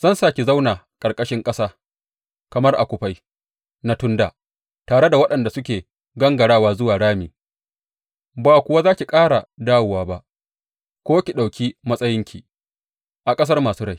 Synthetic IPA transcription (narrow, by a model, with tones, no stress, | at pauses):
zɐ˦nsaː˦kʲi˨za˦wna˨ | kʼɐ˨rkʼɐ˦ʃɪ˦ŋkʼɐ˦saː˦ | kɐ˨mɐ˦rʔa˨kʷʊ˨ɸa˦j | na˦tʊ˦nda̰ː˨ | taː˨ɽe˦da˨wɐ˦ɗɐ˨nda˨sʊ˦kʲeː˨ | ɡɐ˦ŋɡɐ˨ɽaː˦waː˦zʊ˦waː˨ɽaː˦mḛː˨ | baː˨kʷʊ˦wa˦zaː˦kʲi˨kʼaː˦ɽa˨daː˦wʊ˨waː˦ba˦ʔ | kʷoː˦kʲi˨ɗa˨wkʲiː˦mɐ˦sʼɐ˦jɪ˦ŋkʲi˨ | ʔa˨kʼɐ˦s̬ɐ˦rmaː˨suː˦ɽa˦˨j